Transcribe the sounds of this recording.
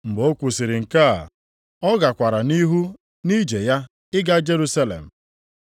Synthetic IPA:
m̩˨ɡ͡bo˦kʷu˨si˨ɾɪ˨ŋ̩˨ka˦˨ | ɔ˦ɡa˨kʷa˨ɾa˨ni˦ɦu˦ | ni˦d͡ʒe˨ja˦ | ɪ˦ɡa˦d͡ʒe˦ɾu˦sa˦lḛ˨m̩˨

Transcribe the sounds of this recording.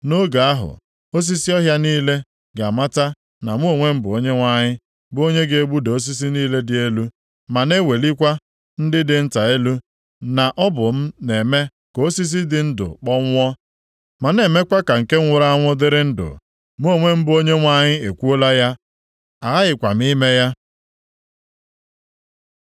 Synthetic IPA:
no˦ɡa˨a˦ɦʊ̰˨ | o˦s̬i˦si˦ɔ˦ɦja˦niː˦le˦ | ɡa˨ma˦ta˦ | na˨mu˦o˨ŋʷe˦m̩˦bʊ˨o˦ɲe˦ŋʷa˦ɲɪ˦ | bʊ˦o˦ɲe˦ɡe˨e˦ɡ͡bu˦de˨o˦s̬i˦s̬i˦niː˦le˦dɪ˨e˦lu˦ | ma˨ne˦we˨li˦kʷa˦ | n̩˦dɪ˦dɪ˨n̩˦ta˨e˦lu˦ | na˨ʔɔ˦bʊ˨m̩˦ne˨me˦ | ko˦si˦s̬i˦dɪ˨˦n̩˦dʊ̰˨k͡pɔ˦ŋʷ˦ɔ˦ | ma˨ne˨me˦kʷa˦ka˨ŋ̩˨ke˦ŋ̩ʷʊ˨ɾa˦a˦ŋʷʊ˦dɪ˦ɾɪ˦n̩˦dʊ̰˨ | mu˦o˦˨ŋʷe˦m̩˦bʊ˨˦o˦ɲe˦ŋʷa˦ɲɪ˦e˨kʷu˦o˦la˦ja˦ | a˨˦ɪ˨kʷa˨m̩˦i˦me˦ja˦

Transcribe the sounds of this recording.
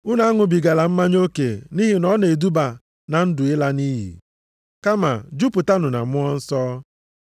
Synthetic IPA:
u˦na˨˦a˦ŋʊ˨bi˨ɡa˨la˨m̩˦ma˦ɲ˦o˦kḛ˨ni˦ɦi˨nɔ˦ne˨du˦ba˨ | na˨n̩˦dʊ˨ɪ˦la˦ni˦ɦḭ˨ | ka˦ma̰˨d͡ʒu˦pʊ˨ta˦nʊ˨na̰˨mʊ˦ɔ˦n̩˦sɔː˦

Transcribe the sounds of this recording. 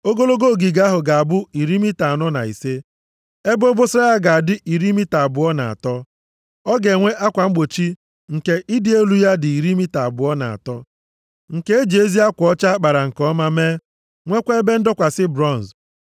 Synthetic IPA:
o˦ɡo˦lo˦ɡo˦˨ɡi˨ɡa˦ɦʊ˨ɡa˨a˨bʊ˦i˨ɾi˦mi˦ta˨a˨nɔ˦na̰˨ḭ˨se˦ | e˦bo˦bo˦sa˦a˦ɡa˨a˨dɪ˦ʔi˨ɾi˦mi˦ta˨bʊ˨˦ɔ˦na̰˨a̰˨tɔ˦ | ɔ˦ɡe˨ŋʷe˦ʔa˦kʷa˨ŋ͡m̩˦ɡ͡bo˨t͡ʃi˦ | ŋ̩˨ke˦ʔi˦dɪ˦e˦lu˨ja˦dɪ˨i˨ɾi˦mi˦ta˨bʊ˨ɔ˦na̰˨a̰˨tɔ˦ | ŋ̩˨ke˦e˦d͡ʒe˦zi˦a˦kʷɔ˦t͡ʃa˦k͡pa˨ɾa˨ŋ̩˨kɔ˦ma˦me˦ | ŋʷe˦kʷe˦e˦be˦n̩˦dɔ˦kʷa˨sɪ˦bɾɔ˦˨n˨z

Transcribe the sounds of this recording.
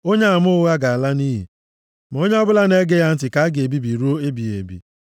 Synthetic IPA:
o˦ɲe˦a˨mʊ˦ɣa˦ɡa˨a˨la˦ni˦ɦḭ˨ | m˨o˦ɲe˦ɔ˦bʊ˦la˦ne˦ɡe˦ja˦n̩˦tɪ˨ka˦a˦ɡe˨bi˦bi˨ɾu˦o˦e˦bi˨ḛ˨bḭ˨

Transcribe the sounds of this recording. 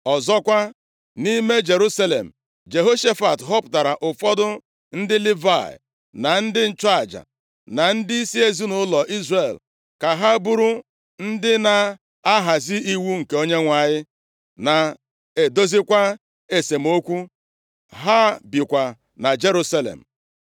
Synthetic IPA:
ɔ˨zɔ˦kʷa˦ | ni˦me˦d͡ʒe˨ɾu˦sa˦le˨m̩˨ | d͡ʒe˨ɦo˦ʃe˦fa˨tɦɔ˦pʊ˨ta˨ɾa˨ʔʊ˨fɔ˦dʊ˦ | n̩˦dɪ˦li˦va˦˨ɪ̰˨ | na˨n̩˦dɪ˦n̩˦t͡ʃa˦˨d͡ʒa̰˨ | na˨n̩˦di˦i˦si˦e˦zi˦nʊ˦lɔ˨ʔi˦zre˨l | ka˨ɦa˦bu˦ɾu˦ | n̩˦dɪ˦na˨ | a˦ɦa˨zɪ˦i˦wu˦ŋ̩˨ke˨˦o˦ɲe˦ŋʷa˨ɲɪ˦ | na˨ | e˨do˦zi˦kʷa˦ | e˨se˨m̩˦o˦kʷu˦ | ɦa˦bji˨kʷa˨ | na˨d͡ʒe˦ɾu˦sa˦lḛ˨m̩˨

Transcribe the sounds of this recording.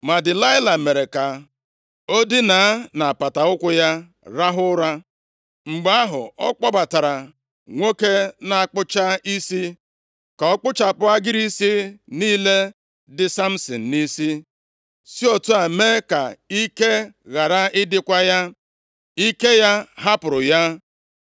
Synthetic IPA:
ma˨dɪ˨la˦ɪ˦la˨me˨ɾe˨ka˨ | o˦dɪ˦na˨a˦na˨pa˨ta˨ʊ˦kʷʊ˦ja˦ | ɾa˦ɦʊ˦ɾa˦ | ŋ͡m̩˨ɡ͡ba˦ɦʊ̰˨ɔ˦k͡pɔ˦ba˨ta˨ɾa˨ | ŋʷo˦ke˦na˨a˨k͡pʊ˦t͡ʃa˦i˦si˦ | ka˨ɔ˦k͡pʊ˦t͡ʃa˨pʊ˦a˦ɡɪ˦ɾi˦si˦niː˦le˦ | dɪ˨sa˦m̩˦sɪ˨n̩˨ni˦si˦ | si˦o˦tu˦a˨me˦ka˨i˦ke˦ɣa˨ɾa˦ɪ˦dɪ˦kʷa˦ja˦ | i˦ke˦ja˦ɦa˦pʊ˨ɾʊ˨ja˦

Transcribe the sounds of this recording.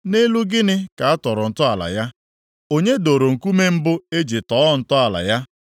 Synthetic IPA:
ne˦lu˦ɡɪ˦nɪ˦ka˨a˦tɔ˨ɾʊ˨n̩˨tʊ˦a˨la̰˨ja˦ | o˦ɲe˦do˨ɾo˨ŋ̩˨ku˦me˦m̩˦bʊ˦e˦d͡ʒi˨tɔː˦n̩˨tʊ˦a˨la̰˨ja˦

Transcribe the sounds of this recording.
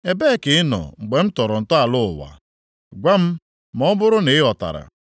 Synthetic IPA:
e˨be˦˨kɪ˨ɪ˦nɔ̰˨ŋ͡m̩˨ɡ͡be˨m̩˦tɔ˨ɾɔ˨n̩˨tɔ˦a˨lʊ˦˨ʊ̰˨wa̰˨ | ɡʷa˦m̩˦ | mɔ˦bʊ˦ɾʊ˦ne˨ɪ˦ɔ˨ta̰˨ɾa̰˨

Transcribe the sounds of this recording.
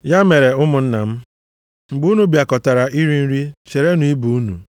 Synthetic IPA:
ja˦me˨ɾe˨ʊ˦mʊ˨n̩˦na˨m̩˦ | ŋ͡m̩˨ɡ͡bu˦nu˨bja˨kɔ˨ta˨ɾa˨ʔi˦ɾi˦n̩˦ɾi˦t͡ʃe˨ɾe˦nu˨i˦bu˨u˦nṵ˨

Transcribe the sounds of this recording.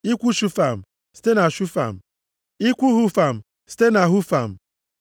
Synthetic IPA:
i˦kʷu˦ʃu˦fa˨m̩˨ | si̥˦te˦na˨ʃu˦fa̰˨m̩˨ | i˦kʷu˦ɦu˦fa˨m̩˨ | si̥˦te˦na˨ɦu˦fa̰˨m̩˨

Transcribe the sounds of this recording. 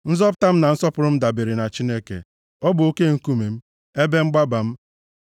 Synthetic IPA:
n̩˦zɔ˦p̬ʊ˦ta˦m̩˦na˨n̩˦sɔ˦pʊ˨ɾʊ˦m̩˦da˨be˨ɾi˨na˨t͡ʃi˦ne˦kḛ˨ | ɔ˦bʊ˨o˦ke˦ŋ̩˦ku˦me˨m̩˦ | e˦be˦ŋ͡m̩˦ɡ͡ba˦ba˨m̩˦

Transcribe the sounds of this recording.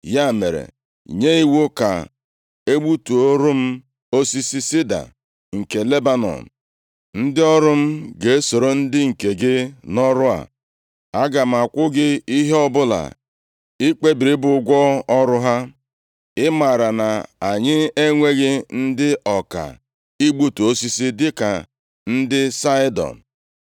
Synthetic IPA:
ja˦˨me˨ɾḛ˨ | ɲe˦i˦wo˦ka̰˨ | e˦ɡ͡bu˦tu˨o˦ɾʊ˦m̩˦ | o˦si˦si˦si˦da̰˨ | ŋ̩˨ke˨le˦ba˦nɔ̰˨n̩˨ | n̩˦dɪ˦ɔ˦ɾʊ˦m̩˦ɡe˨e˦so˨ɾo˨n̩˦dɪ˦ŋ̩˨ke˨ɡɪ˦nɔ˦ɾʊ˦a̰˨ | a˦ɡa˨m̩˨a˨kʷʊ˦ɡɪ˦i˦ɦe˦ɔ˦bʊ˦la̰˨ | i˦k͡pe˦bi˨ɾi˦bʊ˨ʊ˦ɡʷɔ˦ɔ˦ɾʊ˦ɦa˦ | ɪ˦ma˨ɾa˨na˨a˨ɲɪ˦e˦ŋʷe˦ɣɪ˦n̩˦dɪ˦ʔɔ˨ka̰˨ | i˦ɡ͡bu˦tu˨o˦si˦si˦dɪ˦ka̰˨ | n̩˦dɪ˦sa˦ɪ˦dɔ̰˨n̩˨

